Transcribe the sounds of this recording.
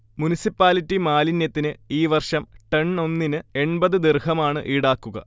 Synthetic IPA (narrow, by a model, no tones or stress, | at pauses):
munisipːaːlitːimaːlinjɐt̪ːinɨiːʋɐrʂɐmʈɐɳno̞nːinɨe̞ɳbɐðɨd̪irhɐmaːɳɨ̰ʔiːɽaːkːuɣɐ̰